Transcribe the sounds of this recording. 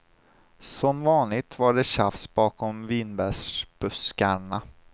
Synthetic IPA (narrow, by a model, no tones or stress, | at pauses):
sɔmvɑːnlɪt̪vaɖɛɕafsb̥ɑːkɔmviːnbɛʂb̥ɵskaɳa